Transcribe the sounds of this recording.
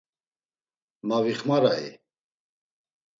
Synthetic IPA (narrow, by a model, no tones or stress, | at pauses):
maviχmaɾaḭ